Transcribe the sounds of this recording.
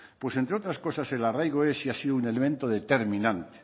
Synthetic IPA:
pwe̞se̞nt̪ɾeot̪ɾasko̞sase̞larajɣ̞oe̞siasiðounelemẽnt̪o̞ðe̞t̪e̞ɾmĩnãnt̪e̥

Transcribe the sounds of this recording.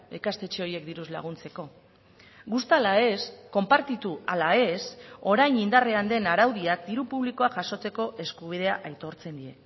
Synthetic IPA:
ekast̪e̞t͡ʃe̞o̞ɾie̞kd̪iɾuzla̰ɣ̞unt͡se̞ko̞ | ɡust̪alae̞sko̞mpaɾt̪it̪ualae̞so̞ɾajnind̪areand̪e̞naɾawðiak̚d̪iɾupuβliko̞aʝaso̞t͡se̞ko̞ʔe̞skuβ̞iðe̞aʔajt̪o̞ɾt͡se̞nd̪ie̞

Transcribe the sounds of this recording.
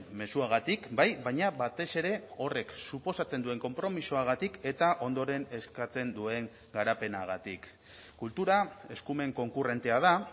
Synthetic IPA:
me̞suaɣ̞at̪ikbajβajɲaβat̪e̞se̞ɾe̞o̞re̞ksupo̞sat͡se̞nd̪ue̞ŋko̞mpɾo̞miso̞aɣ̞at̪ike̞t̪aʔo̞nd̪o̞ɾe̞ne̞skat͡se̞nd̪ue̞ŋ | ɡaɾape̞naɣ̞at̪ikː | ult̪uɾae̞skume̞ŋko̞ŋkure̞nt̪e̞að̞a

